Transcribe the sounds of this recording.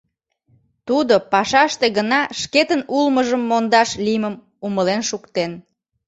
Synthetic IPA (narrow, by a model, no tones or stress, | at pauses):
t̪ud̪opɑʃɑʃt̪eɣənɑʃket̪ənulməʒəmːond̪ɑʃliməm | uməlenʃukt̪en